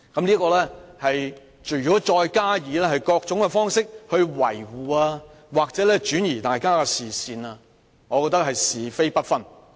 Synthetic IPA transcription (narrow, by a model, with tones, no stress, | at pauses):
kɐ˨˥mnliː˥kɔː˧lɛː˥hɐ˨j | t͡ʃɵ˨˩ɥjɔː˨˥t͡ʃɔː˧jkaː˥jiː˨˧lɛː˥hɐ˨jkɔː˧k̚t͡ʃʊ˨˥ŋkɛ˧fɔː˥ŋsɪ˥k̚hɵ˧ɥwɐ̰˨˩jwuː˨aː˧ | waː˨k̚t͡sɛː˨˥lɛː˥t͡ʃyː˨˥njiː˨˩t̪aː˨jkaː˥kɐ˧siː˨siː˨naː˧ | ŋɔː˨˧kɔː˧k̚t̪ɐ˥k̚hɐ˨jsiː˨fe˥jpɐ˥t̚fɐ˥n